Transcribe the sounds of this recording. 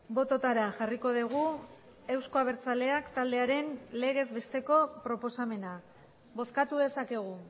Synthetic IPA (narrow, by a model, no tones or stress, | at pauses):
bo̞t̪o̞t̪aɾaʝariko̞ðiɣ̞u | e̞wsko̞aβ̞e̞ɾt͡sale̞akt̪ald̪e̞aɾe̞nle̞ɣ̞e̞zβe̞st̪e̞ko̞pɾo̞po̞same̞na | bo̞θkat̪uðe̞sake̞ɣ̞u